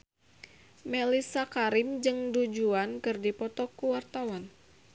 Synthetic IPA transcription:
melisakaɾɪmd͡ʒɨŋdud͡ʒuankɨrdipɔt̪ɔkuwart̪awan

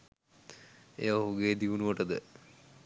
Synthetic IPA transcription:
ḛːʋoɦuɡeːd̪iunuʋɐʈəd̪ə

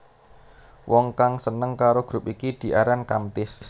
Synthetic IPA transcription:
wʔɔŋkaŋsənəŋkaɾoɡ̥ɾʊpikid̪̥i̤ʔaɾankamt̪ɪs

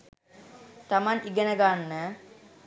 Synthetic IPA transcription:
t̪amaniɡenəɡanːə

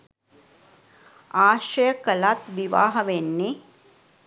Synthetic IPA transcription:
aːʃɐjɐkɐlaːt̪ʋiʋaːɦɐʋenːi

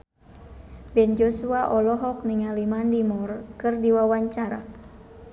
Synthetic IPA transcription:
bɛnd͡ʒɔsuaʔɔlɔɦɔk̚niŋalimandimɔrkɨrdiwawaɲt͡ʃaɾa̰

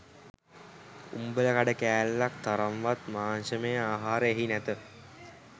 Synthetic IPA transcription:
umbələkaɖəkæːlːak̚t̪aɾamʋat̪maːnʃəmejəaːɦaːɾəeɦinæt̪ə

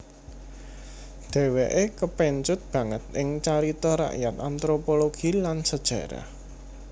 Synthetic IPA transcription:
d̪̥ɛ̤weʔekəpɛɲt͡ʃʊt̪̚b̥ä̤ŋət̪̚ɪŋt͡ʃaɾit̪ɔɾa̰ʔjat̪ant̪ɾopoloɡ̥ilansəd̥ʒ̥a̤̰ɾa̰

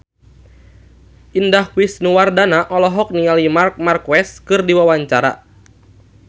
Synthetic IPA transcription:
ʔindahwisnuwardanaʔɔlɔɦɔk̚nialimark̚markwɛskɨrdiwawaɲt͡ʃaɾa̰

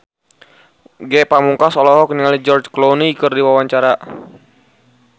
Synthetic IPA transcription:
ɡɛpamuŋkasɔlɔɦɔkəniŋalid͡ʒɔrd͡ʒkloniːkərdiwawaɲt͡ʃaɾa

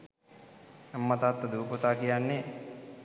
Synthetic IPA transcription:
ɛmːɐt̪at̪ːɐd̪uːpot̪aːkijanːe

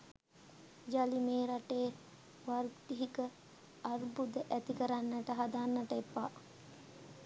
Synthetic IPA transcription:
d͡ʒalimeːɾaʈeː | ʋarʈ̪iɦikə | arbud̪əʔæt̪ikəɾanːəʈəɦad̪anːəʈəepːa

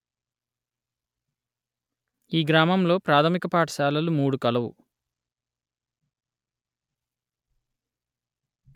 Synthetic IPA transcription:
iːɡɾaːmɐmlo̞ːpɾaːt̪ʰɐmikɐpaːʈɐ̥saːlɐlumuːɽukɐlɐʋṵ

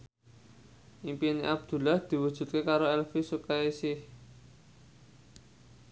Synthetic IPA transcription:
ʔimpiniʔab̚d̪̥ṳlahd̪̥i̤wud̥ʒ̥ṳt̪̚kekaɾoɛlfisukaisɪh

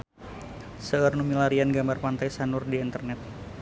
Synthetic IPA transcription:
səːrnumilaɾianɡambarpant̪ajsanʊrdiːnt̪ərnɛt̪̚

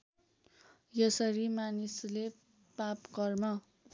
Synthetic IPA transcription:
jʌsʌɾimanisle | papɡʌrmʌ

